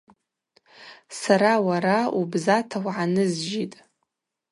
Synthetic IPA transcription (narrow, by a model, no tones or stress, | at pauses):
saɾawaɾaubzatʰawʕanɨzd͡ʒitʼ